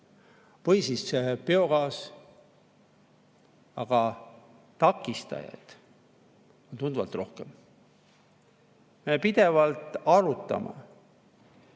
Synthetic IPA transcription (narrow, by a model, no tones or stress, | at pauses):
pɤjsissepeo̞ɡɑːs | ɑɡ̥ɑ | t̪ɑkːˑist̪ɑ̰jɑ̰jd̪̥ | o̞nt̪und̪uvɑ̰lt̪ːˑro̞hkem | mepid̪̥e̞vɑlt̪ˑɑɾut̪ːˑɑ̰mɑ̰